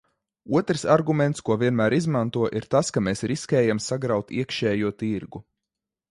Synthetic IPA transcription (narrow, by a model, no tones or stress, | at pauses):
uɔt̪ɾsaɾɡumɛnt̪skuɔviɛnmæːɾizmant̪uɔʔiɾt̪askameːsɾiskʲɛːjamsaɡɾawt̪ḭɛkʃɛːjuɔt̪iɾɡu